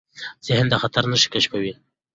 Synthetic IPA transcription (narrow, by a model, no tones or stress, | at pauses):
t͡sehɪnd̪axat̪aɾnəʃi̥kaʃkawi